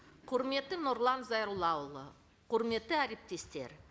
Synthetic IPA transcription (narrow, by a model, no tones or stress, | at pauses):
qʰʊɾme̞t̪ːɪno̞ɾlˠɑnzɑjɾulˠɑwlˠə | qʰʊɾme̞t̪ːɪæɾe̞p̚t̪e̞st̪e̞̰ɾ